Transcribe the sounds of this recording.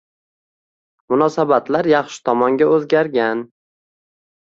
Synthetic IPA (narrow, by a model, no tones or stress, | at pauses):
mʊnɒsabat̪laɾjɑχʃɪ̥t̪ʰɒmɒŋɡʲaɵzɡʲaɾɡʲan